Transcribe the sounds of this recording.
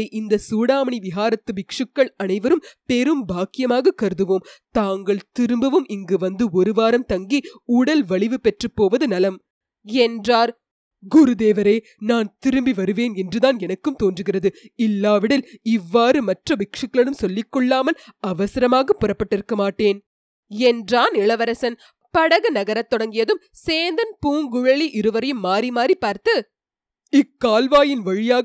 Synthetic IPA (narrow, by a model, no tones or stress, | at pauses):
ɪʔɪnd̪ɐsuːɽaːmɐɳiʋɪɣaːɾɐt̪ːɯʋɪkʂɯkːɐɭɐnɐɪʋɐɾɯmpɛɾɯmbaːkːɪjɐmaːɣɐkːɐɾɯðɯʋoːmt̪aːŋɡɐɭt̪ɪɾɯmbɐʋɯmʔɪŋɡɯʋɐnd̪ɯɔɾɯʋaːɾɐmt̪ɐŋɡiʊɽɐlʋɐɭɪʋɯpɛʈrɯpːoːʋɐðɯnɐlɐm | ɛndraːɾ | ɡʊɾud̪eːʋɐɾeː | naːnt̪ɪɾɯmbiʋɐɾɯʋeːnɛndrɯðaːnɛnɐkːɯmt̪oːndrɯɣɪrɐðɯɪlːaːʋɪɽɐlɪʋːaːɾɯmɐʈrɐʋɪkʂɐkːɐɭɯmsɔlːɪkːɔɭːaːmɐlɐʋɐsɪɾɐmaːɣɐpːɯrɐpːɐʈːɪɾɯkːɐmaːʈːeːn | ɛndraːnɪɭɐʋɐɾɐsɐn | pɐɽɐɣɐnɐɣɐɾɐt̪ːɔɽɐŋɡɪjɐðɯm | seːnd̪ɐnpuːŋɡʊɻɐɭiʔɪɾɯʋɐɾɐjɯmːaːɾimaːripːaːɾt̪ɯ | ɪkːaːlʋaːjɪnʋɐɻɪjaː